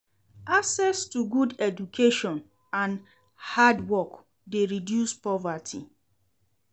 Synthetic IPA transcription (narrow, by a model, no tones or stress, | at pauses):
asɛstuɡudɛdukʰeʃɔ̃n | ãn | hadwɔk | deɹidjuspɔvatʰḭ